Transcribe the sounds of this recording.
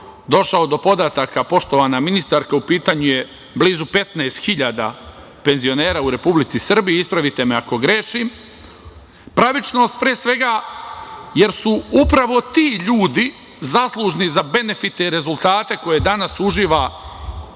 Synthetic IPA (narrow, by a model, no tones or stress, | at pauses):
d̪o̞ʃaod̪o̞po̞d̪aːt̪akapo̞ʃt̪o̞ʋaːnaminist̪aɾkaupiːt̪aːɲuje̞ | bliːzupe̞t̪neːst̪xiʎaːd̪a̰ | pe̞nzio̞ne̞ːɾaːuɾe̞publit̪sisr̩bijiispɾaʋit̪e̞meako̞ɡɾeʃim | pɾaʋit͡ʃno̞st̪̚pɾiesʋe̞ɡa | je̞ɾsuupɾaʋo̞t̪iːʎuːd̪i | zaslˠuʒnizabe̞ne̞fit̪eɾe̞zulˠt̪aːt̪e̞ko̞je̞d̪anasuʒiːʋa